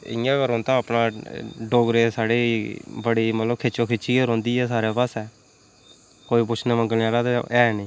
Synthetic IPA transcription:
ɪ̰jãːkəɾõːnt̪ãːəpnãːɖoːɡɾeːsaːɽeːbəɽiːmət̪ləbkʰɪt͡ʃõːkʰɪt͡ʃiːəɾõːnd̪iːɛːsaːɾeːpaːsɛː | koːiːp̬ʊt͡ʃʰnẽːməŋɡəlaːɾaːt̪eɛːɛnĩː

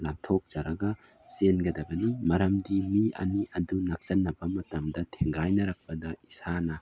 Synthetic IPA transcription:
lamtʰok̚d͡ʒ̥ɐɾɐɡɐ | senɡɐdɐbɐnimɐɾɐmdimiʔɐ̰niɐdunak̚sɐnːɐbɐmɐtɐmdɐtʰeŋɡajnɐɾɐk̚pɐdɐisanɐ

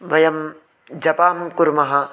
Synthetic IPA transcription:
ʋɐjɐm | d͡ʒɐpaːmkuɾmɐɦɐ

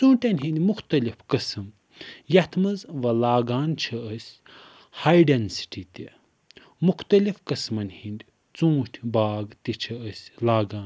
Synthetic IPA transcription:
t͡sũːʈʲɐnʲɦind̪ʲmuxt̪ɐlifkɐsɨm | jɐt̪ʰmɐzʋɐlaːɡaːnt͡ʃʰɐɐsʲ | hajɖɐnsi̥ʈit̪ʲi | muxt̪ɐlifkɐsmɐnʲhind̪ʲi | t͡sũːʈʰʲbaːɡt̪it͡ʃʰɐəsʲlaːɡaːn

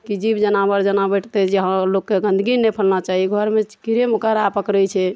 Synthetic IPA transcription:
kid͡ʒibd͡ʒənabəɾd͡ʒənabɛʈʰt̪ɛd͡ʒeɦəlokːeɡə̃nd̪ʱɡinepʰəlnat͡ʃaɦiɡʱəɾme̥kiɾemokəɾapəkɾəjt͡ʃʰɛ

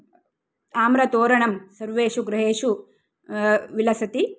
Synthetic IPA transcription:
aːmɾɐt̪oːɾɐɳɐmsɐɾʋeːʃuɡɾɐɦeːʂu | ʋilɐsɐt̪i

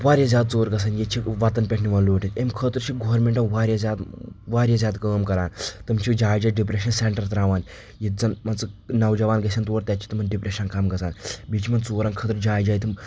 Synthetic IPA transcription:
ʋaːɾʲjazʲaːd̪̚t͡soːɾɡɐs̬ʰaːnjet͡ʃʰiʋat̪ɐnpʲeʈʰniʋɐnloːʈit̪emkʰəːt̪əɾt͡ʃʰiːɡoʋɾmeɳʈɐnʋaːɾʲjazʲjaːd̪ʋaːɾʲjazʲjaːd̪kəːmkɐɾaːnt̪ɨmt͡ʃʰid͡ʒaːjd͡ʒaːɖipɾeʃɐnseɳʈəɾt̪ɾaːʋaːn | jit̪̚d͡zɐnmɐnt͡sənɐwd͡ʒɐʋaːnɡɐsant̪uʋəɾt̪ʲat͡ʃʰi̥t̪umɐnɖipɾeʃɐnkamɡɐsaːnbit͡ʃimɐnt͡soːɾankʰəːt̪əɾd͡ʒaːjd͡ʒaːjt̪ʰim

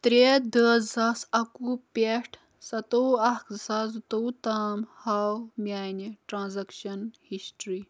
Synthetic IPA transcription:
t̪ɾed̪əːzɐsɐkupeʈʰ | sɐt̪owɐksɐzut̪owt̪aːmhaːwmjaːneʈɾãːnzɐkʃɐnhisʈɾi

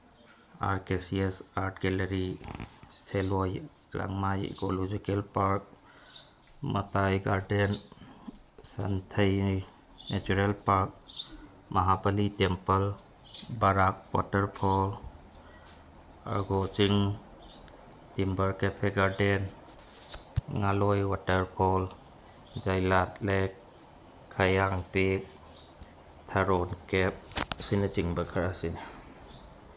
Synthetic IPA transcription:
a̰ɾkesiesaɾʈʰɡeləɾi | seloj | lə̰ŋɡmajɡolud͡ʒekelpaɾk̚ | mə̰t̪ajɡaɾɖen | sə̰nt̪ʰəj | net͡ʃuɾelpaɾk̚ | məɦapəliʈempəl | baɾak̚pɔ̰ʈəɾpʰɔ | a̰ɾɡot͡ʃiŋ | timbaɾkepʰeɡaɾden | ŋalɔjwatəɾpʰɔl | d͡ʒajlatlekʰː | ajaŋpik | tʰaɾɔnkep̚sinat͡ʃiŋbakʰaɾasine

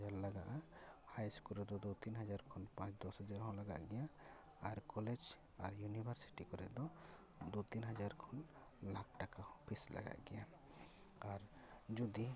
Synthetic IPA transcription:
aɾlaɡaʔahajskuɾɛd̪ɔd̪ut̪inɦad͡ʒaɾkʰɔnpãt͡ʃd̪ɔshad͡ʒaɾɦɔ̃laɡa̰ʔɡɛja | aɾkɔlɛd͡ʒ | a̰ɾjunibʱaɾsi̥ʈikɔɾɛ̰ʔd̪ɔ | d̪ut̪inɦad͡ʒaɾkʰɔn | lak̚ʈakahɔ̃pʰisla̰ɡa̰ʔɡɛja | aɾd͡ʒud̪i

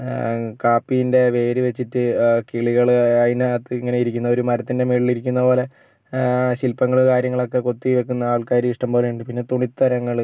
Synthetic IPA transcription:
kaːpːijinde̞ʋe̞ːɾiʋe̞t͡ɕːitːɨkiɭiɣɐɭɐðinɨɐt̪ːɨiŋːɐne̞jiɾikʲːunːɐo̞ɾumɐɾɐt̪ːinde̞meːɭiliɾik̬ʲːunːɐpo̞ːle̞ | ɕilpːɐŋːɐɭkaːɾjɐŋːɐɭo̞kːe̞ko̞t̪ːiʋe̞kːunːɐaːɭkaːɾjiiʂʈɐmboːleuɳɖɨpinːe̞t̪uɳit̪ːɐɾɐŋːɐɭ

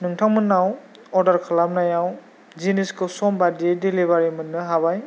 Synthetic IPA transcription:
nɯŋtʰaŋmɯnːaw | ɔɾdaɾkʰalamnajaw | ziniskʰɯsɔmbadidilibaɾimɯnːɯɦabaj

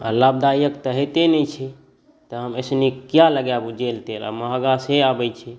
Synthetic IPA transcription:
a̰lab̚d̪ajəkt̪əɦet̪enɛt͡ʃʰi | t̪əɦəmesnikjaləɡjabud͡ʒelt̪ela̰məɦəɡaseabɛjt͡ʃʰi

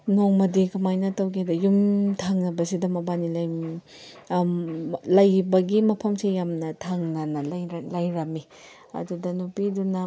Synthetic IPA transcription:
noŋmɐdikamajnɐtɐwkʰedɐjumtʰaŋnɐbɐsidɐmɐbanilɐj | lɐjbɐɡimɐpʰɐmsejamnɐtʰaŋnɐnɐlɐjɾɐmi | ɐ̰dudɐnupidunɐ

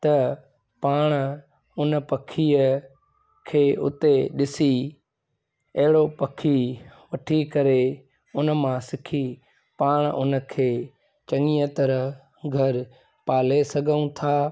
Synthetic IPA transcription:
t̪ɐ | paːɽ̃ | ʊnəpɐkʰiːə | kʰeːʊ̰t̪eɗɪsi | ɐɦɪɽopɐkʰiʋɐʈʰikɐɾe | ʊnəmãsɪkʰi | paːɽ̃ʊ̰n̆kʰeː | t͡ʃɐŋijət̪əɾəɦ | ɡʱɐɾ | paːlesɐɡʱəũt̪ʰaː

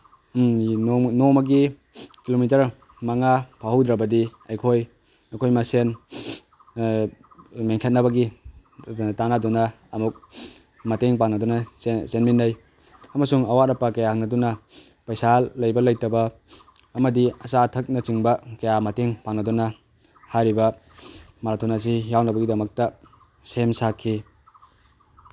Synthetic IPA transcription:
nomɐɡi | kilomit̬ɐɾ | maŋapʰaɦɐwdɾɐbɐdiɐjkʰoj | ɐjkʰojmɐsen | meŋkʰet̚nɐbɐɡi | tanadunɐ | ɐmuk̚ | mɐteŋpanɐdunɐsenminːɐj | ɐmɐsuŋɐwaɾɐpɐkɐjahɐŋnɐdunɐ | pɐjsalːɐjbɐlɐjtɐbɐ | ɐmɐdiɐsatʰɐk̚nɐt͡ʃiŋbɐkɐjamɐteŋpaŋnːɐdunɐ | hajɾibɐ | maɾtʰunas̬ijawnɐbɐɡidɐmɐk̚tɐ | semsakʰːi

